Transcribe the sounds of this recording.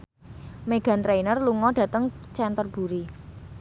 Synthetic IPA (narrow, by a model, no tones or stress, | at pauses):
meɡ̥a̤nt̪ɾeinərluŋɔɖ̥ä̤t̪əŋt͡ʃɛnt̪ərb̥ṳɾi